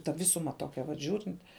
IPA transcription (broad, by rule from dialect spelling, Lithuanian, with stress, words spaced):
tɐ ˈʋʲɪsʊmɐ ˈtoːkʲɛ ʋɐt ˈʒʲuːrʲɪnt